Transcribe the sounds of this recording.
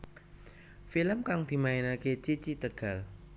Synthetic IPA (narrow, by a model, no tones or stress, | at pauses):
filəmkaŋd̪̥i̤maenaket͡ʃit͡ʃit̪əɡ̥a̤l